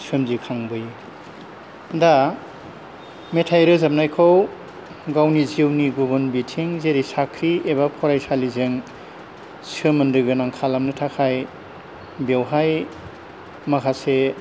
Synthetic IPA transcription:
sʰɯmzikʰaŋbɯj | da | metʰajɾɯzap̚najkʰaw | ɡawniziwniɡubɯnbitʰiŋzeɾisakʰɾieβapʰɔɾajsalizɯŋ | sɯmɯndɯɡɯnaŋkʰalamnɯtʰakʰaj | bewɦaj | makʰase

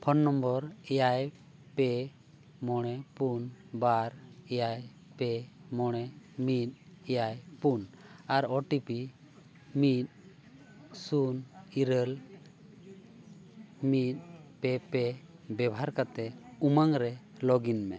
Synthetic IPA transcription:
pʰɔnːɔmbɔɾɛjaj | pɛ | mɔɽ̃ɛpunbaɾɛjaj | pɛmɔɽ̃ɛmit̪̚ɛjajpunaɾɔʈipi | mit̪̚ | suniɾəl | mit̪̚pɛpɛbɛbɦaɾkat̪ɛumaŋɾɛ | lɔɡinmɛ

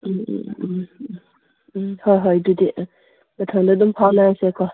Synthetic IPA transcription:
hɔjɦɔjdudi | batʰaŋdadumpʰawnasekʰɔ

